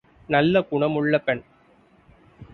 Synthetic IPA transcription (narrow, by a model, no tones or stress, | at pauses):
nɐlːɐkʊɳɐmʊɭːɐpɛɳ